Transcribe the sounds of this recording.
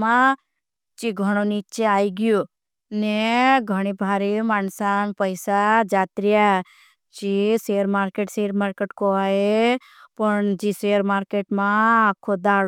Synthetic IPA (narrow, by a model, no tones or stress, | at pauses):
mã | t͡ʃiɡʱəɽ̃onit͡ʃeaːiɡijo | neɡʱəɽ̃ibʱaːɾimaːnsaːnpəjsad͡ʒaːt̪ɾɪja | t͡ʃiseːəɾmaːɾkeːʈseːəɾmaːɾkeːʈkoaːe | pəɳd͡ʒiseːəɾmaːɾkeːʈmãakʰːod̪aːɽ